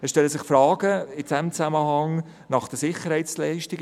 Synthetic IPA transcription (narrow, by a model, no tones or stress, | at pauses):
ɛsʃtɛləsɪχfɾɑːɡəɪdɛmt͡sæməɦɑŋ | nɑχd̥əsɪχəɾhɛɪt͡slɛɪʃtɪɡ